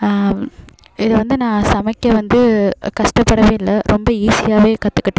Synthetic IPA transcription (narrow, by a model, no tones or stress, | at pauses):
ɪðɐʋɐnd̪ɯnãːsɐmɐkːɐʋɐnd̪ɯkɐʂʈɐpːɐɽɐʋẽːɪlːɐɾʔɔmbɐiːsɪjaːʋeːkɐt̪ːɯkːɪʈːẽ